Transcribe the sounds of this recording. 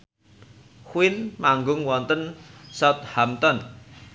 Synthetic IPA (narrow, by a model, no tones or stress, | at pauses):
xuwɪnmaŋɡʊŋwɔnt̪ənsɔt̪̚hamt̪ɔn